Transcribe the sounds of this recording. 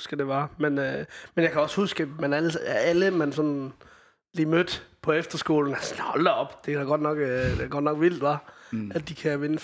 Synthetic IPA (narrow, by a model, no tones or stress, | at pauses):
sɡ̥əd̥e̝ʋɑmenmenjɑ̈kʰæɒ̽shusɡ̥əmænæləsææləmænsɒ̽n | liːmød̥pʰɒ̽efd̥ɐsɡ̥o̝̰ːln̩æsnhɒlɐɒ̽b̥d̥e̝kæɡ̥ɒ̽d̥nɒ̽ɡ̥deɡ̥ɒ̽d̥nɒ̽ɡ̥ʋil̰d̥ʋɑ̈æd̥ːikʰæʋe̝nə